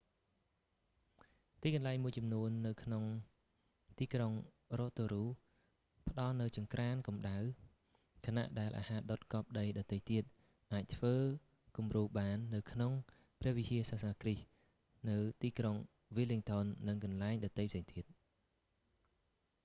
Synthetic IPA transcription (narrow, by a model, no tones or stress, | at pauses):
t̪iːkɑnlaɛŋmuəjt͡ɕɑmnuənːɨwkʰnoŋ | t̪iːkroŋ | roːt̪oːɾuː | pə̆ɗɑlnɨwt͡ɕɨŋkraːnkɑmɗaw | kʰana̰ʔɗaɛlʔa̰ːhaːɗot̪̚kɑːp̚ɗəjɗɑt̪ːəjt̪iət̪̚ | ʔaːc̚t̪ʰʋəː | kumruːɓaːnːɨwkʰnoŋ | prɛ̆əhʋihiəsaːsanaːkrih | nɨwt̪iːkroŋ | ʋiliŋt̪ʰonːɨŋkɑnlaɛŋɗɑt̪ːəjpʰseːŋt̪ʰiət̪̚